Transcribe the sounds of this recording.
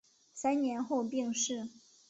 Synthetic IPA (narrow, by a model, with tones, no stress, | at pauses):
sa˥nnjɛ˧˥nxo˥˧ʊpi˥˧ŋʂɻ̩˥˩